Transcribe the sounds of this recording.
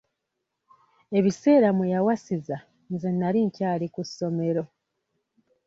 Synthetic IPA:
e̞βise̞ːɾamwejawasiza | nzenːaliɲcaːlikusːo̞me̞ɾo̞

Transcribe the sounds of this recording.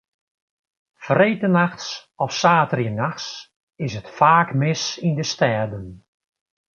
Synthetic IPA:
frejtənaxsɔfsaːtərjənaxs | ɪsətfaːkmɪsindəstɛːrdən

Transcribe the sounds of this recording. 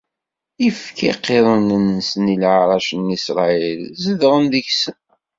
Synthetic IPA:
ifkʰiqːeɾˤənənsnilʕɾˤɑʃnisɾˤɑilzəðʁənðəçsən

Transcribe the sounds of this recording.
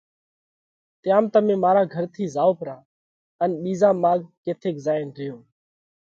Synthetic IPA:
t̪ɪjãːmt̪əmẽːmaːɾaːɡʱəɾt̪ʰiːzaːoːpɾãː | ənɓiːzãːmaːɠkeːt̪ʰeːkzaːɪnɾɪjoː

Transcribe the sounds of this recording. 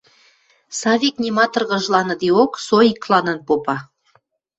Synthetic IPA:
sɑβʲiknʲimɑt̪ɤ̆rɣə̆ʒlɑnɤ̆d̪eoksoiklɑnə̆npopɑ

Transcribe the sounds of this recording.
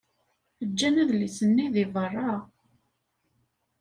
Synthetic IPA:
əd͡ʒːænæðlisənːiðivərˤːɑ

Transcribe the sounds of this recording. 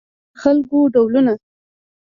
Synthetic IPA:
xalkoɖawluna

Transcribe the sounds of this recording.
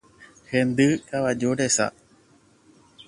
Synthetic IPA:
hend̪ɨkaʋad͡ʒoɾesa̰

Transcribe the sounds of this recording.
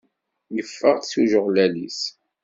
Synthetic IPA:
jəfːəʁsuʒʊʁlælis

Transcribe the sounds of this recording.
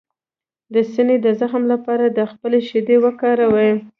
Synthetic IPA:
d̪əsined̪əzaxmlapɑɾad̪əxpəleʃɪd̪ewəkɑɾawe

